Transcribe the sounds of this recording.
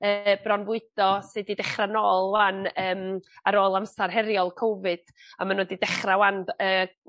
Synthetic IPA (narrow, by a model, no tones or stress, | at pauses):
əbrɔnvʊɨd̥ɔsɨːdidɛχranoːlˠwanəːmaɾoːlˠamsarɦɛɾjɔlˠkʰɔwvɨd̥ | a̰manoːdidɛχrawandəː